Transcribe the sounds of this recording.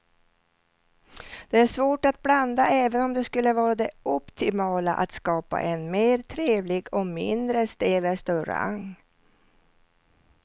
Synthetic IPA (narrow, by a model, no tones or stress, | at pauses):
d̪̥ɛæʂvoːʈat̪̚bland̪aʔɛːvənɔmd̪ɛskɵlːəvɑːɾad̪ɛɔpt̪ʰɪmɑːla̰ʔa̰t̪skɑːpa̰ʔɛnmeːɾt̪ʰɾeːvlɪɡɔmɪ̰nd̪ɾəst̪eləst̪œɾ̰a̰ŋ